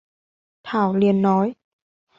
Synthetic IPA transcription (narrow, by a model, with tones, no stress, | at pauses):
t̪ʰaː˧˩wli˨˧˨ənːɔ˨˦j